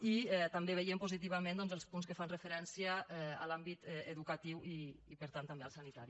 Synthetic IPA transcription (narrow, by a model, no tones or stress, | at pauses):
iɛt̪ambeβejempuzit̪̬iβ̞amẽnd̪ɔnzəlˠspunskəfanrəfəɾɛnsiaɛ̰ːlambit̪ɛeðukat̪iwiipəɾt̪ant̪ambeəlˠsanit̪aɾi